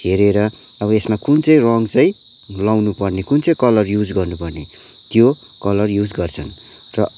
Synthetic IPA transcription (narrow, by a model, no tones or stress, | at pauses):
eɾeɾʌ | ʌbʌesmakunt͡sʌj̃rʌŋt͡sʌj̃ | lawnupʌrnekunt͡sʌj̃kʌlʌrjud͡zɡʌrnupʌrne | t̪jo | kʌlʌrjud͡zɡʌrt͡sʰʌn | rʌ